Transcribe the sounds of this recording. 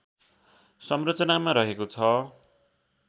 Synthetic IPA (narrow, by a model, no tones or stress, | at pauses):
sʌmrʌt͡sʌnamaɾʌɦekot͡sʰʌ